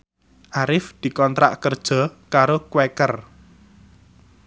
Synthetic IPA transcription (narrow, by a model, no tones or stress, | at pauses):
ʔaɾɪfd̪̥i̤kɔnt̪ɾa̰ʔkərd̥ʒ̥ɔ̤kaɾokwekər